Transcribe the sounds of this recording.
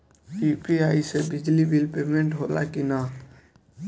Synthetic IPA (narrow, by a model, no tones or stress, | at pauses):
ipiaːisebɪd͡ʒlibʱilpemẽɳʈɦola̰kina